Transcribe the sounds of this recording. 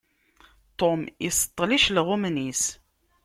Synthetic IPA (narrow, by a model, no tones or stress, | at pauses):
t̪omisə̥t̪ˤːliʃlʁʊmnis